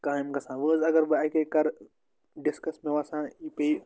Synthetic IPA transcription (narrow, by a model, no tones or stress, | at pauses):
kaːimkɐsãːʋəzɐɡɐɾbɨaːkekɐɾ | ɖɪskɐsmẽʋaːsãːipei